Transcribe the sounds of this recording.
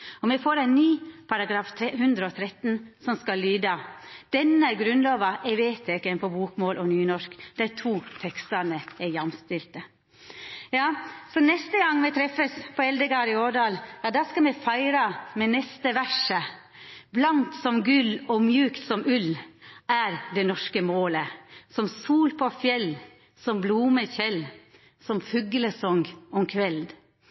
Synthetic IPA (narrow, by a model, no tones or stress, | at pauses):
ɔmɛfoːɾæɪnnyːpʰɑɾɑɡɾɑːft̪ʰɾɛhʉnd̪ɾəɔt̪ʰɾɛt̪ːnsɔmskɑlyːd̪ɑd̪̥ɛnːəɡɾʉnloːʋɑʔɛʋeːt̪ʰeːkənfɔbuːkmoːlʔɔnyːnɔʂkd̪̥æɾt̪ʰuːt̪ʰɛkst̪ənəɛɾjɑmst̪ɪlt̪ə | jɑːsɔnɛst̪əɡɑŋːmɛt̪ʰɾɛfəspʰɔɛld̪əɡɑːɾɪoːɖɑːljɑːd̪ɑːskɑmɛfæɪɾɑmɛnɛst̪əʋæʂə | blɑnt̪sɔmɡʉlɔmjʉːkt̪sɔmʉlæɾd̪ɛnɔʂkəmoːləsɔmsuːlpʰɔfjɛl | sɔmbluːməçɛl | sɔmfʉɡələsɔŋɡɔmkʰʋɛld̪